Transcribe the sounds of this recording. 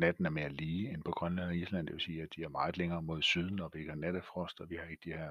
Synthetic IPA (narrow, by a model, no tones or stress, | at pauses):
næd̥n̩æɐme̝ɐliːenpʰɒ̽ɡ̥ʁɶnlænæislæn̰d̥e̝ʋe̝siːæd̥iæɐmɑ̈ːð̞̩ˠleŋɐːmo̝ð̞̰ˠsyð̞ˠn̩ɒ̽ʋieɡ̥hɑnæɾ̥əfʁɔ̽sd̥ɒʋihɑ̈e̝ɡ̥əd̥ihæɐ̰